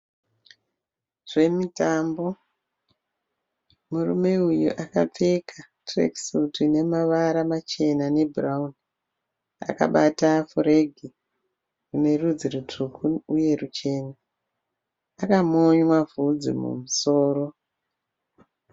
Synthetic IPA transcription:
ʐ̥e̞mitambo̞ | murṵme̞ujṵʔakap͡fe̞kʰa | trḛksutine̞maʋaɾamat͡ʃe̞nane̞bʱuraun | a̰ka̰ɓatafoɾeɡʱi | rune̞rud͡zirutʰukʰuuje̞rut͡ʃe̞ːna | akamoɲwavʱud͡zḭmṵmuso̞ːɾo̞

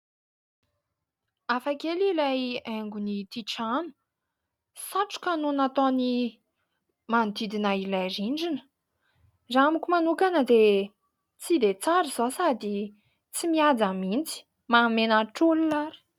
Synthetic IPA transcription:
afakelilajaŋɡunit̪iʈ͡ʂanu̥ | saʈ͡ʂu̥kanunat̪oni | mand̪id̪inailajɾiɳɖ͡ʐinə̥ | zaamikʲumanukanəd̪e | t͡sid̪et͡saɾiz̥osad̪i | t͡simiad͡zamint͡si̥ | mamenaʈ͡ʂulilaɾi̥

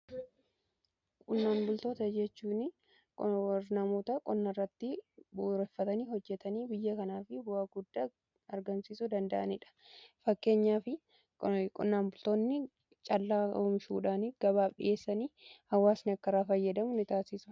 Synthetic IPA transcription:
kʼʊnːaːnbʊlt̪oːt̪ɐd͡ʒɛt͡ʃːuːnɪ | kʼnɐmoːt̪ɐkʼɔnːɐrːɐt̪ːɪbuːɾɛfːɐt̪ɐniːhɔd͡ʒːɛt̪ɐniːbɪjːɐkɐnaːfɪbʊaːɡʊd̪ːaː | ɐɾɡɐnsiːsʊd̪ɐnd̪ɐʔɐnɪᶑɐ̥ | fɐkːe̞ːɲːaːfɪ | kʼʊ̰nːaːmbʊlt̪oːnːɪ | t͡ʃʼɐlːaːoːmʃṵːᶑaːnɪɡ̥ɐbaːfɗɪ̰ʔe̞ːsːɐniːhɐwːaːsnɪɐkːɐɾaːfɐjːɐd̪ɐmʊnɪt̪aːsɪsʊ̥

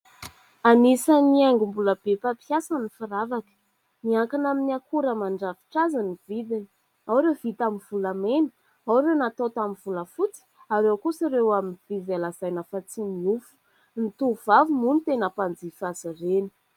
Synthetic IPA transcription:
anisəniaŋɡumbuləb̥epapijasənifiɾavakə̥ | niaŋkanaminiakuɾəmaɳɖ͡ʐavi̥ʈ͡ʂazənivid̪ini̥ | awɾewvit̪aminvulamenə̥ | awɾewnat̪ot̪aminvuləfut͡si̥ | aɾewkusiɾewaminvivalazajnafat͡simiufu̥ | nit̪uv̥avumunit̪enəpand͡zifazəreni̥

